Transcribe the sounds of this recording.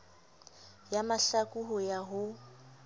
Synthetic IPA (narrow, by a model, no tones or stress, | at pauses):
jamaɬakʼuɦʊjaɦʊ